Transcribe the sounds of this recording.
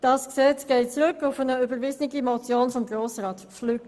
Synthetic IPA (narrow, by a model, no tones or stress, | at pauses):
d̥ɑsksɛt͡sɡ̥ɛɪtt͡sʁʏkʊfənəybəɾvɪznɪɡimɔt͡sjoːnfɔmɡʁoːsʁɑːtflyːk